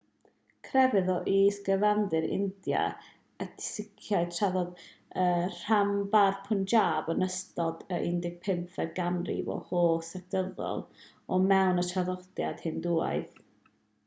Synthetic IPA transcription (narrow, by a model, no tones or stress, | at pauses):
kʰrɛvɨðɔʔiːsɡ̥əvanðɨɾɪ̰ndja̰ | əd̥ʰɪ̥sɪkʰjaɨtʰraðɔdər̥ambarpʰʊnd͡ʒaːbənəstɔdəʔɪndɪɡ̥̚pʰɪmfɛdɡanrḭvɔ̰hoːsɛk̚d̥əðɔ̰lˠ | ɔmɛwnətʰaðɔd̥jad̥hɨnduːa̰ɨð